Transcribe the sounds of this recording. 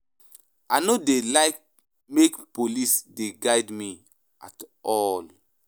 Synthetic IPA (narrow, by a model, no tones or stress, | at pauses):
anodelaɪk̚ | mekpolisdeɡaɪdmi | a̰tɔl